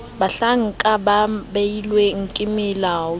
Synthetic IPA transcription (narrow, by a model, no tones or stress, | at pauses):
baɬaŋ̩kʼababejilweŋ̩kʼɪmɪlaːɔ